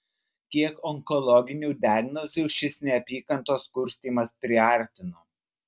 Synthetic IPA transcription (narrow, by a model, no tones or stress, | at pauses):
kʲiɛkɔŋkɔlˠɔɡʲɪnʲuːd̪ʲæːɡnɔzʲuːʃʲɪsnʲɛɐpʲiːkɐnˑt̪oːskʊɾʲsʲt̪ʲiːmɐspʲɾʲɪɐˑɾʲt̪ʲɪnoː